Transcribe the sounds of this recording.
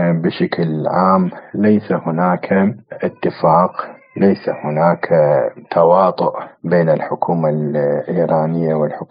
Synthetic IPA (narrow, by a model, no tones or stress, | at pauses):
bɪʃaklʕaːmlajsahʊnaːkʰaʔɪt̪ːɪfaːq | lajsa̰hʊnaːkʰt̪ʰawɑːt̪ˤʊʔbeːnɪlħʊkʰuːmalʔiːɾˤɑːnɪjːawɪlħʊk